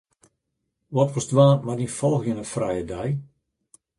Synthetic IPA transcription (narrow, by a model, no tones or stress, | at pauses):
ʋɔtʋɔsdʋaːnmadifɔlˠxjənəfrɛjədɛj